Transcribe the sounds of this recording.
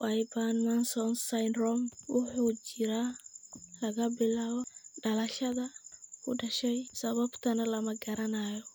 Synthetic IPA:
wajbanmansɔnsajnrɔmwʊħuːt͡ʃɪɾaː | lɐɣɐbɪlaːβɔɖɐlɐʃɐðɐkʰʊ̰ɖɐʃɛjsɐβɐbt̪ʰɐnɐlɐmɐɡɐɾɐnaːjɔ

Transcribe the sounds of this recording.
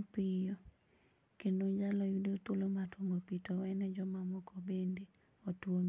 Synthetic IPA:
pɪjɔ | kendod͡ʒalɔjudot̪wolomatoŋopitɔwɛnɛd͡ʒɔmamɔkɔbendi | otwom

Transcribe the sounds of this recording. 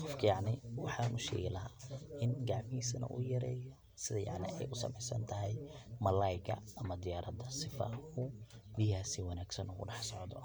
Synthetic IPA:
qɔfkʰɐjɑʕnɪwɑħɑnʊʃɛ̰ːɣɛlɐɦaːʔɪnɡɑʕmɪhiːsɐnɐ̰ʔujɐɾɛ̰ːjɐ | sɪðɐjɑ̰ʕnɪ̰ʔɛjʔʊsɐ̰mɛjsɐ̰nt̪ʰɐɦɛjmɐlɐjɡɐ̰ɐmɐd̪ɪjaːɾʔɐd̪ɐsɪfɐ̰ʊbihaːsiwɑnaːɡsɐnʊɣʊ̰ɖɑħsɔʕd̪ɔ

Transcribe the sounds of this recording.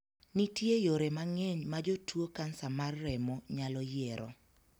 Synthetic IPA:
nitjejoɾemaŋɛɲmad͡ʒotwokansamarːɛmɔɲalɔjeɾɔ̰

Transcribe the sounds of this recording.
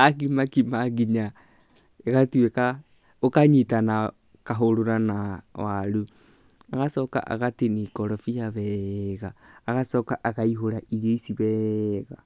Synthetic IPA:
ak̬imakimaɡiɲa | eɣatueka | okaɲitana | kaɦoɾoɾanawaɾu | aɣasɔka̰ʔa̰ɣatenikɔɾɔfijaβɛɣaːɣasɔkaʔaɣaiɦoɾaʔiɾoisiβɛɣa

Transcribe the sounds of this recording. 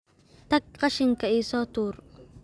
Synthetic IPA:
t̪ɐk̚qɐʃɪŋkɐisɔt̪uːɾ

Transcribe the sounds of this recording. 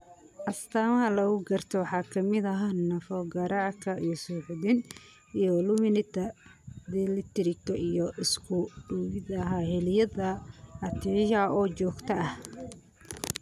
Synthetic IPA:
ʔɐst̪ʰaːmɐɦɐlɐɣʊɡɐrt̪ʰɔwɑħɑːkʰɐmɪdɐɦanɐfɔɡɐɾɑʕkʰɐijɔsuːħd̪ɪn | ijɔlʊmɪnɪt̪ʰɐd̪ɛlɪt̪ʰɛɾɪkɔʔijɔʔɪskʰʊɖʊwɪðɐɦaːhɛljɐðɐɐt̪ʰijʔɔːt͡ʃɔːɡt̪ʰɐɐh

